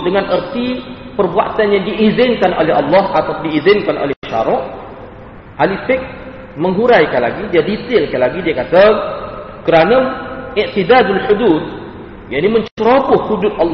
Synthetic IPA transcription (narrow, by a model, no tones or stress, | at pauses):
dəŋãnərt̪i | pərbua̰t̪anjaŋdiʔizɪnkanʔo̰lɛɦɑlːɑɦat̪adiizɪnkanʔo̰lɛhbəʃa̰ɾɔʔ | ʔalifɪk̚ | mə̃ŋɦuɾajkanla̰ɡidiadit̪ɪlkanlaɡidiakat̪a | kəɾanãɪʔt̪id̪ad̪alħud̪ud̪̚ | jaʔnimə̃ɲt͡ʃəɾobʊhhudʊt̪̚ʔɑlː